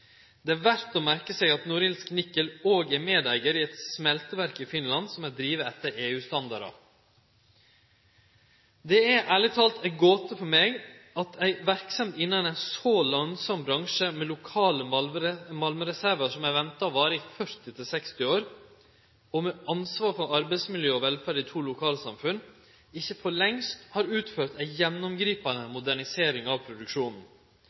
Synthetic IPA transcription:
d̪ɛæːɾʋæɾt̪ɔːmæɾkəsɛɡɑt̪nʊɾɪlsknɪkːəloːɡæmeːd̪æɪɡəɾɪɛt̪smɛlt̪əʋæɾkɪfɪnlɑnsɔmæɪd̪ɾiːʋəɛt̪ːəɾeːʉːst̪ɑnd̪ɑ̰ɾɑ̰ | d̪ɛæʔæːɭɪt̪ʰɑːlt̪ɛɡoːt̪əpʰɔmeːɡɑt̪ʰæɪʋæɾksɛmt̪ɪnːənæɪnsoːlɑŋsɑmbɾɑŋʂəmɛlʊkʰɑːləmɑlməɾɛsæɾʋəʂɔmæɪʋɛnt̪ɑɔʋɑːɾəɪfœɾt̪ɪt̪ʰɪlsɛkst̪ɪoːɾ | ɔmɛʔɑnsʋɑːɾfɔɾʔɑɾbɛɪsmɪljøːɔʋɛlfæɾɖɪt̪ʰuːlʊkʰɑːləsɑmfʉn | ɪçəfɔɭɛŋst̪hɑːɾʉːt̪føːɾt̪æɪjɛnːʊmɡɾiːpɑnəmʊd̪æɳɪseːɾɪŋɑʋpʰɾʊd̪ʉkʂuːnn̩

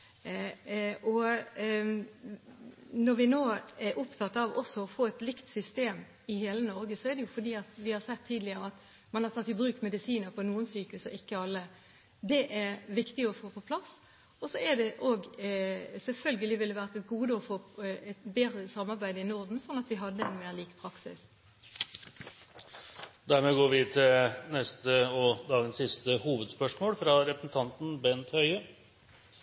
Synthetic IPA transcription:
ʔɔ | nɔɾʋɪnoːɛɾʔʊpt̪ʰɑt̪ːɑʋɔsːɔɔfoːɛt̪lɪkt̪sʏst̪eːm | ɪheːlənɔɾɡəsɔæʁd̪ɛjʊfɔɾd̪iːɑt̪ʋɪhɑɾsɛt̪ʰːiːd̪lɪəɾəɑt̪ | mɑnhɑɾt̪ʰɑt̪ːɪbɾʉːkmɛd̪ɪsiːnəɾpʰɔnuːənsyːkʉsɔʔɪkːəɑlːə | d̪ɛʔæɾʋɪkt̪ɪɔfoːpʰɔpʰlɑs | ɔsɔæd̪ɛʔoːɡ | sɛlfœlɡəlɪʋɪlːəʋæːʁət̪ɛt̪̚ɡuːd̪əɔfoːɛt̪beːd̪ʁəsɑmːɑʁbæɪd̪əɪnɔʁd̪n̩sɔnːɑt̪ʋɪɦɑd̪ːəɛnmeːʁliːkpʰʁɑksɪ̰s | d̪æɾmɛɡoːɾʋɪt̪ʰɪlnɛst̪əɔd̪ɑːɡənsɪst̪əhuːʋəd̪spœʂmoːlfɾɑɾɛpɾəsn̩t̪ʰɑnt̪n̩bɛnt̪hœʏə

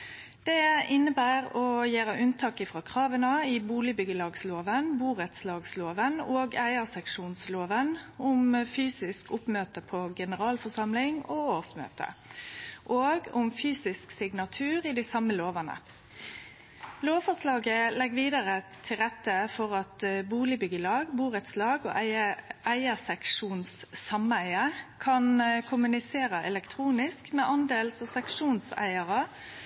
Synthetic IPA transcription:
d̪̥ɛɪnːəbæːʁɔjeːɾəʔʉnt̪ʰɑːkɪfʁɑːkʰʁɑːʋənɑɪbuːlɪbʏɡəlɑːɡsloːʋənbuːʁət̪slɑːɡsloːʋənoːɡæɪəsɛkʂuːnsloːʋənʊmfyːsɪskʰʊpmøːt̪əpʰɔɡɛnəʁɑːlfɔsɑmlɪŋɔːoːsmø̰ːt̪ə̰ | ʔoːɡʊmfyːsɪsksɪɡnɑt̪ʰʉːʁɪd̪ɪsɑmːəloːʋɑnə̰ | loːʋfɔʂlɑːɡəlɛɡʋiːd̪ɑʁət̪ʰɪlʁɛt̪ːəfɔʁɑt̪buːlɪbʏɡəlɑːɡbuːɾət̪slɑːɡɔ̰ʔʔæɪəsɛkʂuːnsːɑmæɪəkʰɑnkʰʊmʉnɪseːɾɑʔɛ̰lɛkt̪ʰʁuːnɪskmɛʔɑnd̪eːlsɔsɛkʂuːnsæ̰ɪɑʁɑ

